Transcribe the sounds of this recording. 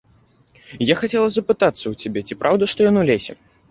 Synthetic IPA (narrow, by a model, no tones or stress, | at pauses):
jaxat͡sʲɛlˠɐzɐpɨt̪at̪sːɐwt͡sʲabʲɛt͡sʲipɾʔawd̪ɐʂt̪ɔjanulʲesʲɛ̰